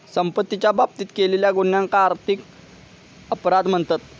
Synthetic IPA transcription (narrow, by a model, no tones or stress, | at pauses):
səmpət̪ːit͡ɕjabʱab̚t̪iːt̪keleljaɡonjãŋkaːɾt̪ʰik | əpɾad̪m̤əɳt̪at̪